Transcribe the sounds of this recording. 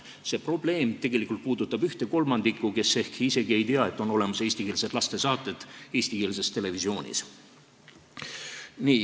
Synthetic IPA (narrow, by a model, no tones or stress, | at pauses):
se̞pro̞ble̞ːmt̪e̞ɡe̞likˑult̪̚puːd̪ut̪ːˑɑb̥yht̪e̞ko̞lmɑnd̪̥ikːuke̞sːe̞hkiise̞ɡie̞jt̪iɑe̞t̪ːˑo̞no̞le̞mɑse̞ːsʲt̪ikeːlsed̪lɑst̪e̞sɑːt̪ːˑe̞d̪̥e̞ːst̪ikeːlse̞st̪e̞le̞visio̞ːnʲḭs | niː